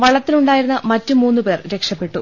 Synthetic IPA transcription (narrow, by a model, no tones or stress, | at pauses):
ʋɐɭɐt̪ːiluɳɖaːjiɾunːɐmɐtːumuːnːupe̞ːrɾe̞kʂɐpːe̞ʈːu